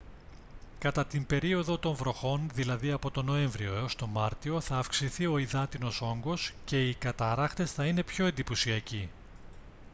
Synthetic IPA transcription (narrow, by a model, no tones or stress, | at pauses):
kɐt̪ɐt̪imbe̞ɾio̞ðo̞t̪o̞ɱvɾo̞xo̞nðilɐðiɐpo̞t̪o̞no̞e̞ɱvɾio̞eo̞st̪o̞mɐɾt̪io̞θɐːfksiθio̞iðɐt̪ino̞so̞ŋɡo̞sce̞ikɐt̪ɐɾɐxt̪e̞sθɐine̞pço̞end̪iposiɐci